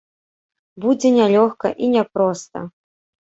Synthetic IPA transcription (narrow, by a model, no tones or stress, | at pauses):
bud͡zʲɛnʲalʲɔxkɐ̰ʔinʲɛpɾɔst̪ɐ̰